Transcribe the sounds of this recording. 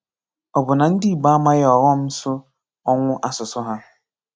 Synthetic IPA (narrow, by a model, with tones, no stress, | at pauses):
ɔ˨bʊ˨na˨n̩˦dɪ˦i˨ɡ͡ba˦a˦ma˦ɣɔ˨ɣɔ˦m̩˦sʊ˦ | ɔ˦ŋʷʊ˦ʔa˦sʊ˨sʊ˦ɦa˦